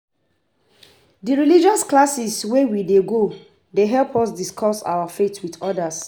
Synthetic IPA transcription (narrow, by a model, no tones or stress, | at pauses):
diɹilid͡ʒɔsklasiswewideɡo | deɦɛlpɔsdiskʰɔsa̰wafetʰwidɔdas